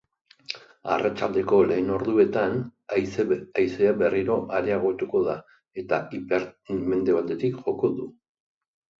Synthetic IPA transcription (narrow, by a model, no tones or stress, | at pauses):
a̰rat͡ʃald̪e̞ko̞le̞ːno̞ɾðue̞t̪an | ajseabe̞riɾo̞ʔaɾeaɣ̞o̞t̪uko̞ða | e̞t̪aipeɾme̞nd̪e̞βat̪e̞t̪ikʝo̞ko̞ðu